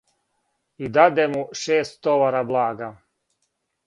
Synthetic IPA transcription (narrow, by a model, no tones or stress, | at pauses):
id̪ad̪emuʃeːst̪ːoʋaɾablˠaːɡa